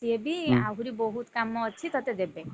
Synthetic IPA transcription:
iebia̰ɦuɾibɔɦut̪kamɔːt͡ʃʰit̪ɔt̪ed̪ebe

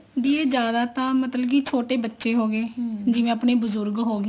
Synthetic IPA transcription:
d̪iːeːd͡ʒjaːd̪aːt̪ãːmət̪ləbkit͡ʃʰoːʈeːbətːʃeːɦoːɡeːd͡ʒɪʋẽːəpneːbʊzʊɾɡɦoːɡe

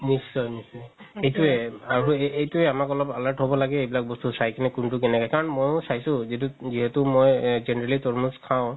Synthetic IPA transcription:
nisːɔjnisɔj | ejtuɛaɹuejtuɛamakɔlɔpalaɹʈɦobɔlaɡɛejbilak̚bɔstusajkenɛkuntukɛnɛkɔjkaɹɔnmojʊsajsʊ̃zituziɦɛtʊmojzenɛɹalitɔɹmuskʰãʊ̃

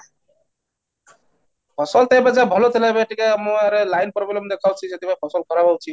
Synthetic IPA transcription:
pʰɔsɔlt̪ebad͡zabʱɔlot̪ʰelabeʈikamɔaɾelajnpɔɾbilɔmd̪ekʰawt͡ʃʰiset̪ibapʰɔsɔlkɔɾabawt͡ʃʰi

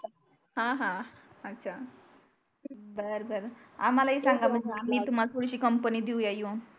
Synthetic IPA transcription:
ɦãɦã | ətːɕʰa | bəɾbəɾa̰malaisaŋɡaməamit̪umalpuɽisikəmpənid̪iujaju

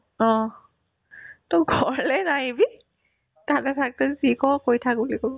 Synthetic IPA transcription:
ɔ | tɔɡʱɔɹɛnajibi | tatɛpʰak̚tɔzikɔkojtʰak̚ulikɔ

